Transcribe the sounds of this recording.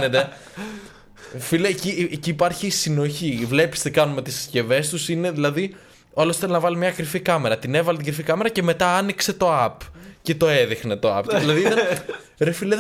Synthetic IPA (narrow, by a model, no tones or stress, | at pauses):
net̪e | filecieciːpɐɾçisino̞çivle̞pi̥st̪ekɐnume̞t̪issce̞ve̞st̪usine̞ðilɐði | olosi̥θelnɐvɐlimɲɐkɾifikɐme̞ɾɐt̪ine̞vɐlet̪iɡɾifikɐme̞ɾɐce̞me̞t̪ɐɐnikse̞t̪o̞ɐpce̞t̪o̞e̞ðixne̞t̪o̞ɐ̰pðilɐði | ɾefileð